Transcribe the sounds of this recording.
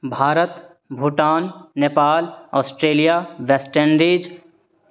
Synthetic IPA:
bʱaːɾət̪ | bʱuːʈaːnneːpaːlɔːsʈɾeːlijaʋeːsʈenɾiːd͡ʒ

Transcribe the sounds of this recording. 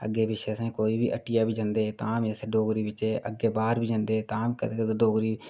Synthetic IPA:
ə̰ɡːeːbɪʃesẽːkoːibʱiːʔəʈːɪjaːbʱiːd͡ʒə̃nd̪eːt̪aːmeseɖoːɡɾiːbɪt͡ʃeːʔə̰ɡeːbaːɾbʱiːd͡ʒə̃nd̪eːt̪aːmkət̪ekət̪ːɖoːɡɾiː

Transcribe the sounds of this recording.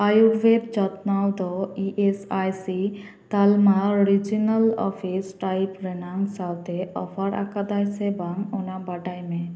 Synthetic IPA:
ajuɾwedt͡ʃɔt̪nawd̪ɔiʔesajsi | t̪almaɾid͡ʒinalɔ̰pʰisʈajpɾɛnaŋsawt̪ɛʔɔpʰaɾʔa̰kad̪ajsɛbanɔnabaɖajmɛ̃

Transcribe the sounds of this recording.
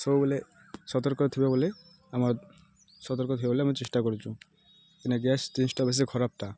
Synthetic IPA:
sowbole | ʃɔt̪oɾkot̪ʰibebole | amaɾ | ʃɔt̪oɾkot̪ʰibeboleamaɾt͡ɕeʃʈakoɾet͡ɕʰu | enaɡɛst̪insʈabɛs̬ekʰɔɾap̚ʈa

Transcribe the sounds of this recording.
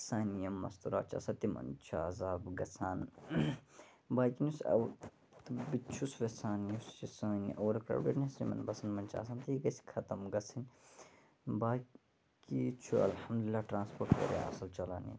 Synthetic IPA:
saːnijɐmɐ̰st̪uɾa̰ːt͡ʃa̰sɐt̪imɐ̰nt͡ʃʰaːzaːbɡɐsaːn | baːkinusɐ̰w | t̪bit͡ʃʰusʋesaːnjust͡ʃisaːnʔoːɾɐkɾɐ̰wɖḛʈnʲɐsimɐ̰nbɐsɐnmɐnt͡ʃʰa̰ːs̬aːnt̪iiɡɐsi̥kʰɐt̪ɐmɡɐsɐnʲ | baː | kit͡ʃʰuɐ̰lhɐmd̪ulilːaːʈɾãːnspoʈʋɐ̰ɾḛa̰sɐlt͡ʃɐlaːn̰

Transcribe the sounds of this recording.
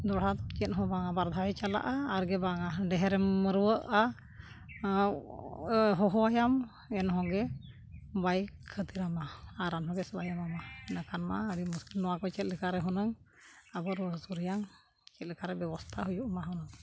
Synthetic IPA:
d̪ɔɽ̤at̪ɔt͡ʃɛt̪̚ɦɔ̃baŋabaɾd̪ʱaɛt͡ʃala̰ʔaːɾɡɛbaŋaɖɛɦɛɾɛməɾuwəʔa | ɦɔɦɔajam | ɛnɦɔ̃ɡɛ | bajkʰət̪iɾamaaɾanɦɔbɛsbajamamaɛnakanma̰aɾimuskilnɔwakɔt͡ʃɛt̪̚lɛkaɾɛɦɔnəŋ | abɔɾəsuɾijaŋ | t͡ʃɛt̪̚lɛkaɾɛbɛbɔst̪ʰaɦujuʔmaɦɔnəŋ

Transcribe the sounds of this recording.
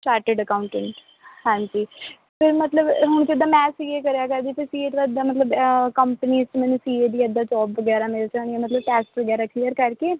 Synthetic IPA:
sʈaːɾʈeɖəkaːʊ̃ɳʈɛ̃ɳʈ | hãːd͡ʒiː | pʰɪɾmət̪ləbɦʊɳ̃t͡ʃɪd̪aːmɛːsiːekəɾejaːkəɾd̪iːp̪ʰɪsiːeːt̪ːd̪aːmət̪ləbkəmpəniːzmɛ̃ːnũsiːed̪iːəd̪ːaːt͡ʃɔːpʋəɡɛːɾaːmɪlt͡ʃãːniemət̪ləb̚pɛːsʈʋəɡɛːɾaːkʰːijəɾkəɾkeː

